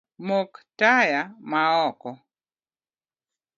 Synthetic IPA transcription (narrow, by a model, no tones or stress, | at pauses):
moktajamaɔkɔ